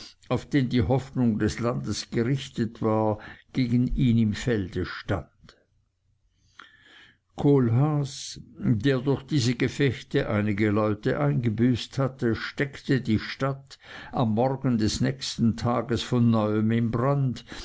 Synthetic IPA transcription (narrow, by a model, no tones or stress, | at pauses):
aʊfd̥eːndiːhɔfnʊŋdɛslandəsɡ̥əʁɪçtətvaːɐɡ̥eːɡn̩iːnɪmfɛld̥əʃta̰nd̥ | kʰoːlɦaːsd̥eːɐdʊɐçd̥iːzəɡefɛçtəʔa̰ɪnɪɡəlɔʏtə̰ʔaɪnɡəbyːsthatəʃtɛktədiːʃtatamːɔrɡən̩dɛsnɛçstn̩tʰaːɡəsfɔnːɔʏəmɪmbʁand